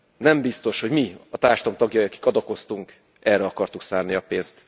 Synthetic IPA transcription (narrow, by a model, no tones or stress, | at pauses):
nɛmbist̪o̞ʃho̞ɟmiɒt̪aːrʃt̪omt̪ɒɡjɒjiɒki̥kɒd̪oko̞st̪uŋk | ɛrɛɒkɒrt̪uksaːrniɒpeːnst̪